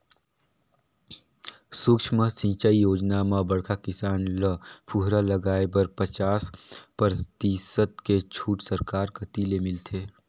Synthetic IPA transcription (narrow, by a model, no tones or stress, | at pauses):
sʊkʃməsĩːt͡ʃaijoːd͡ʒnamãbɐɽkʰakɪsaːnləpʰuɦɾaləɡaːebəɾpət͡ʃaːspəɾt̪iːsət̪ket͡ʃʰuːʈsəɾkaːɾkət̪ilemɪlt̪ʰeː